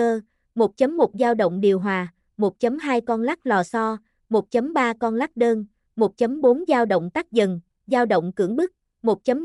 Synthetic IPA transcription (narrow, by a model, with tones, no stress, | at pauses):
əː˧ | mo˨˩t̚t͡ɕə˨˦mːo˨˩t̚zaː˧wɗə̰˧˨wŋ͡mɗi˨˩əwɦwaː˨˩ | mo˨˩t̚t͡ɕə˨˦mɦaː˧jkɔ˧nla˦˥k̚lɔ˨˩sɔ˧ | mo˨˩t̚t͡ɕə˨˦mɓaː˧kɔ˧nla˦˥k̚ɗəː˧n | mo˨˩t̚t͡ɕə˨˦mɓo˨˦nzaː˧wɗə̰˧˨wŋ͡mt̪aː˦˥k̚zə˨˩n | zaː˧wɗə̰˧˨wŋ͡mkɨ̰˧˩əŋɓɨ˦˥k̚ | mo˨˩t̚t͡ɕə˨˦m